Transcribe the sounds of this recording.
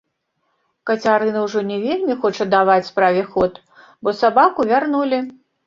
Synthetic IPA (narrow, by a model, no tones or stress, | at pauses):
kɐt͡sʲaɾɨnɐwʐɔnʲɛvʲelʲmʲixɔt͡ʂɐd̪avat͡sʲspɾavʲɛxɔt̪ | bɔsabakuvʲarnulʲi